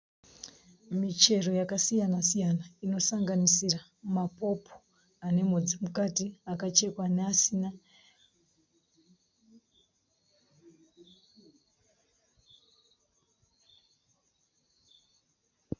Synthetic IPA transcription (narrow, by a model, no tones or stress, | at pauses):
mit͡ʃe̞ro̞jakasijanasijanaino̞saŋɡanisira | mapo̞pʰo̥ | ane̞mud͡zimukatiakat͡ʃe̞kwaneasina